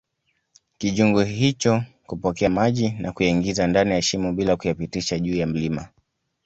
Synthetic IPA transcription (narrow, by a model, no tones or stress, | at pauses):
kiʄuŋɡuhit͡ʃɔ | kupɔkɛamaʄinʔakujaiŋɡizandanijaɛʃimuɓilakujapitiʃaʄuːjam̩lima